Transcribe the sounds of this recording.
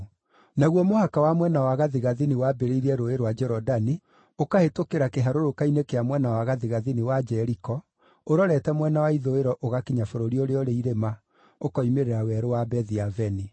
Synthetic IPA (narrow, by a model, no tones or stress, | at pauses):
naɣwɔmohakawamwɛnawaɣaðiɣaðinewabeɾeiɾɛɾoeɾowad͡ʒɛɾɔdani | okahetokeɾakeɦaɾoɾokainekeamwɛnawaɣaðiɣaðinewad͡ʒɛɾikɔ | oɾɔɾɛtɛmwɛnawaiðoeɾɔʔoɣakeɲafoɾoɾiɔɾeɔɾeiɾema | okɔimeɾeɾawɛɾowabɛðiavɛni